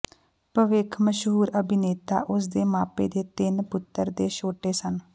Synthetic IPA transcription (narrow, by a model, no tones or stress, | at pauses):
pəʋɪkʰməʃɦuːɾəbɪneːt̪a̰ːʔʊsd̪eːmaːpeːd̪eːt̪ɪnpʊt̪ːəɾd̪eːʃoːʈeːsən